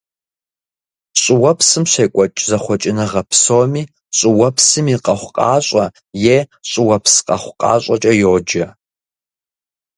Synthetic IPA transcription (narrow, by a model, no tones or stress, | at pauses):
ɕʼɪwɐpʰsɨmɕeːkʷʼɔt͡ʃʼzɐχʷɔt͡ʃʼɪnɐʁɐpʰsoːmiː | ɕʼɪwɐpʰsɨmiːqʼɐχʷqʼɑːɕʷʼɐ | jeːɕʼɪwɐpsqʼɐχʷqʼɑ̰ːɕʼɐt͡ʃʼɐjoːd͡ʒɐ